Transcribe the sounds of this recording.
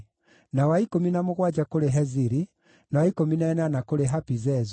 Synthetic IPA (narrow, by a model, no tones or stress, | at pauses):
nawaikominamoɣwad͡ʒakoɾeɦɛziɾi | nawaikominaɛnanakoɾeɦapizɛz